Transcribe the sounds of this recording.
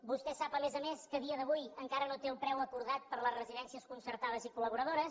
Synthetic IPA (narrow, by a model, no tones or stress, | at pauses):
bust̪ɛsapəmezəmeskəðiəðəβujəŋkaɾənot̪eəlˠpɾɛwəkuɾðat̪̚pəɾləzrəziðɛnsiəskunsəɾt̪aðəzikuləβuɾəð̞oɾəs